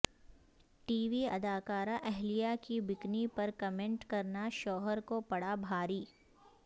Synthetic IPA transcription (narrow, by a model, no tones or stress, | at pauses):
ʈiːʋiɐ̰d̪aːkaːɾaʔɛɦlijakibɪknipɐɾkɐmẽɳʈkɐɾnaʃɔːɦəɾkopɐɽabʱaːɾiː